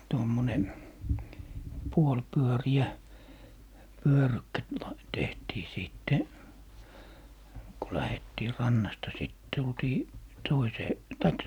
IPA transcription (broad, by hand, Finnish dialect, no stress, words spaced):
tomːone puolpyøriæ pyørykːæ t lɑ tehtiː siˑtːe ku læhetːiː rɑnːɑstɑ siˑt tultiː toiseː tɑik